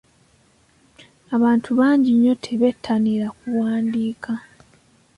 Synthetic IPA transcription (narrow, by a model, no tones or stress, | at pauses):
aβaːntʰuβaːɲɟiɲːo̞tʰe̞βe̞tʰːaniɾakuwaːndiːkʰa